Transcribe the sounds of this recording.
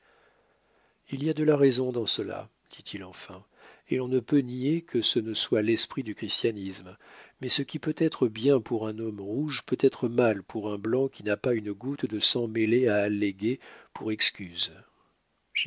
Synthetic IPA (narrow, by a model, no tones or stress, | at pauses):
iliad̪əlaʁɛzɔ̃d̪ɑ̃səla̰ | d̪̥it̪ʰilɑ̃fɛ̃ | elɔ̃nəpøniekʰəsənəswalɛspχid̪ykχist̪janismmɛsəkʲipøt̪ɛt̪χəbjɛ̃puʁɛ̃nɔmʁuʒpøt̪ɛt̪χəmalpʰuʁɛ̃blɑ̃kʲinapaynɡut̪d̪əsɑ̃meleaːlːeɡʲepuʁɛkskʲyz